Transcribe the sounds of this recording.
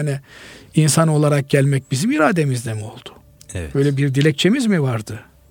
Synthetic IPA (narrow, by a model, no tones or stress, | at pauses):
aniinsano̞lˠaɾak̚ɟælʲmɛc̚bizimiɾaːd̪e̞mizd̪emo̞lˠd̪ʊ̥ | bø̞jlʲɛbiɾd̪ilʲɛc̚t͡ʃʰemizmivaɾd̪ɯ